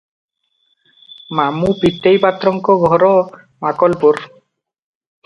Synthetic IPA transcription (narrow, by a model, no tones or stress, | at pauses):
mamupit̪ːejpat̪ːɾɔŋkɔɡʱɔɾɔ | makɔlpuɾ